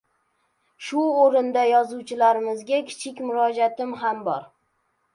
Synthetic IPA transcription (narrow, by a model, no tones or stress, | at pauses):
ʃʊoɾɪnd̪ajɒzuwt͡ʃʰɪlaɾɪmɪzɡʲakʲʰɪ̥t͡ʃʰɪkʲmʊɾɒd͡ʒat̪ɪmɦambɒɾ